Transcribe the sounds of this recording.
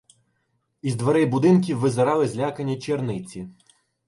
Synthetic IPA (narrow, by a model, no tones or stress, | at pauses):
izd̪ʋeɾɛjbʊd̪ɪnk̬ʲiwːɪzɐɾɑlˠɪzʲlʲakɐnʲːɐt͡ʃʲernɪt͡sʲi